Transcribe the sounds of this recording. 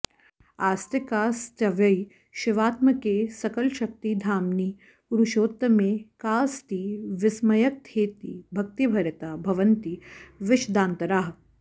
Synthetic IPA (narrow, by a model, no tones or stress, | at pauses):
aːst̪ikaːst̪ɐʋjɐi | ʃɪʋaːt̪mɐkeːsɐkɐlʃɐk̚t̪id̪ʱaːmniː | uɾuʃoːt̪ːɐmeːkaːst̪iːʋɪsmɐjɐk̚t̪ʰeːt̪ḭːbʱɐk̚t̪ibʱɐɾɐt̪aːbʱɐʋɐnt̪iːʋɪʃd̪aːnt̪ɐɾaːɦ